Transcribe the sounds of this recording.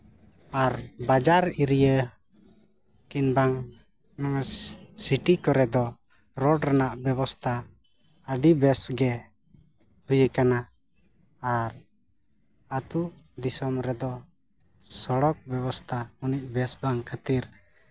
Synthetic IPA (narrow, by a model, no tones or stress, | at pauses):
aɾbad͡ʒaɾiɾijə | kinbaŋ | nɔŋsiʈikɔɾɛd̪ɔ | ɾɔɖɾanaʔbɛβɔst̪ʰaː | ɖibɛsɡɛ | hujəkanaː | ɾ | at̪u | d̪isɔmɾɛd̪ɔ | sɔɽɔk̚bɛβɔst̪ʰauniʔ̚bɛsbaŋkʰat̪iɾ